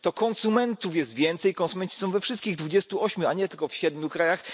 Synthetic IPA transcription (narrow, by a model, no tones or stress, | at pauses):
t̪ɔkɔnsumɛnt̪ufjɛst̪vʲjɛnt̪sɛjkɔnsumɛɲt͡ɕi̥sɔw̃vɛfʂɘst̪kʲiɣd̪vud͡ʑɛst̪uɔɕmʲjuaɲɛt̪ɘlkɔfɕɛd̪̚mʲjukɾajax